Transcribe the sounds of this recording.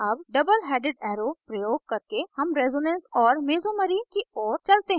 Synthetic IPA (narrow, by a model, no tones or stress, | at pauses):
ɐbɖɐbəlɦɛːɖɪɖɛːɾopɾɐjoːɡ̚kɐɾkehɐmɾɛːzoːnɛ̃nsɔːɾmeːzoməɾikiɔːɾt͡ʃɐlt̪eɦɛ̃